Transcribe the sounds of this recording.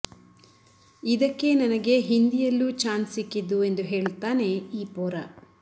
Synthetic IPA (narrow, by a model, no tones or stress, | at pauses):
id̪ɐkːe̞nɐnɐɡe̞ɦind̪ijɐlːut͡ʃaːnsikːid̪ːue̞nd̪uɦeːɭt̪ːaːne̞iːpoːɾɐ